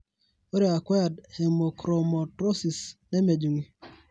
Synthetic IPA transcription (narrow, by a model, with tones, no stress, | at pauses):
o˦ɾi˦˨a˨kwɛ˦a˨dhe˨mo˨kɾo˨mɔ˨tɾo˦si˨sne˦me˨d͡ʒu˨ŋi˦